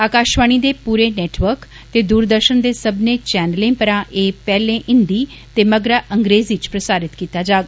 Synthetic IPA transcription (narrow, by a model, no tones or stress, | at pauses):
aːkaːʃʋaːɳ̃iːd̪eːpuːɾeːnɛːʈʋəɾk | t̪eːd̪uːɾd̪əɾʃənd̪eːsəbnẽːt͡ʃɛːnəlẽːpəɾãːʔeːpɛːlẽːʔɪnd̪iː | t̪eːməɡɾaːʔəŋɡɾeːzit͡ʃpɾəsaːɾɪt̪kiːt̪aːd͡ʒaːɡa